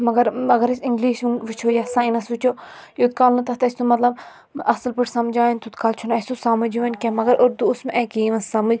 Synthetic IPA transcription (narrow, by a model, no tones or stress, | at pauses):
mɐɡɐɾɐɡɐɾɐsiŋɡliːʃunʋit͡ʃʰoːjasãːinɐsʋit͡ʃʰoːjot̪̚kaːlnɐt̪ɐt̪ɐsʲt̪umɐt̪lɐb | ɐslpɨʈʰsɐmd͡ʒaːinʲt̪ʰut̪kaːlt͡ʃʰunɐsʲt̪usɐmɐd͡ʒuʋɐnʲkʲɐmɐɡɐɾʔoɾd̪uːsmʔɛkiːʋɐnsɐmɨd͡ʒʲ